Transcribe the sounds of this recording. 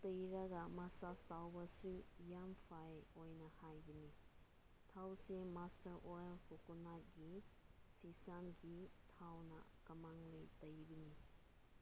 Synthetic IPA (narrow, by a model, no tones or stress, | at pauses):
tɐjɾɐɡɐmasastawbɐsujampʰajojnɐhajbɐni | tʰawsemastɐɾʔojlhukunat̚ɡisisamɡitʰawnɐ̰ | kɐmaŋlejtɐjbɐni